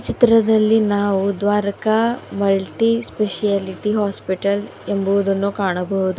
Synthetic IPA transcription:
t͡ʃit̪ɾɐd̪ɐlːinaːʋud̪ʋaːɾɐkɐmɐlʈispeʃijaːliʈiɦaːspiʈɐlembɐʋud̪ɐnːuːkaːɳɐbɐɦud̪u

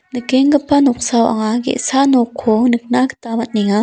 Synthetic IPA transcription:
nəkeŋɡəpanɔk̚sawʔa̰ŋaɡɛ̰ʔsanɔkʰːɔnɯk̚nakə̥t̪amat̪̚niŋa

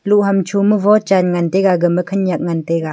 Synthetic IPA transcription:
luʔɦɐmt͡ʃʰumɯvɔt͡ʃanŋanteɡaɡɯməkʰɐnjak̚ŋanteɡa

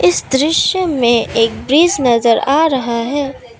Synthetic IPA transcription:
ɪsd̪ɾɪʃjəmẽeːk̚bɾiːznɐzəɾaːɾɐɦaɦɛː

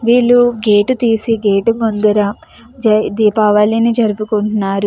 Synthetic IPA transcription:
ʋiːɭːuɡeːʈut̪iːsiɡeːʈumɐnd̪ɐɾɐ | d͡ʒɐd̪iːpaːʋaːlinid͡ʒɐɾupukuɳʈnːaːɾu

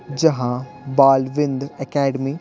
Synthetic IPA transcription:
d͡ʑɐɦã | baːlʋɪ̃nd̪ɛkɛːɖmi

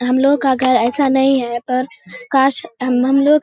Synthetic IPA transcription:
ɦɐmloːkːaɡʱɐɾɛːsanɐɦĩaːepɐɾkaːʃɦɐmloː

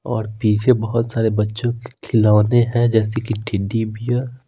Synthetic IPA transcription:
ɔːɾpiːt͡ʃʰebɐɦʊt̪saːɾebɐtːʃõkkʰɪlaːneɦɛ̃d͡ʒɛːsekiʈʰɪɖibija

